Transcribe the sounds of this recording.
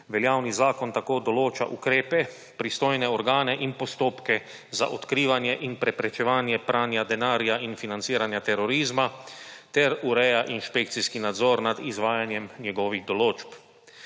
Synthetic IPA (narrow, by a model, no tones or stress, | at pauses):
ʋɛljaːwnizaːkɔnt̪akoːd̪ɔloːt͡ʃa̰ʔukɾeːpɛ | pɾist̪oːjnɛɔɾɡaːnɛʔinpɔst̪oːpkɛ | za̰ʔɔt̪kɾiːʋanjɛʔinpɾɛpɾɛt͡ʃɛʋaːnjɛpɾʔaːnjad̪ɛnaːɾjainfinant̪siːɾanjat̪ɛɾɔɾiːzmat̪ɛɾuɾɛjaʔinʃpek̚t̪siskinad̪zɔːɾnad̪izʋaːjanjɛmnjɛɡɔːʋiɣd̪ɔloːt͡ʃp